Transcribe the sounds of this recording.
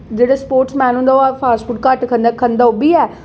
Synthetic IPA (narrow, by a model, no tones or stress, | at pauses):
d͡ʒeːɽaːspoːɾʈsmɛ̃ːnũːnd̪aːaːpʰaːsʈfuːʈkəʈkʰənd̪akʰənd̪aːobiːɛː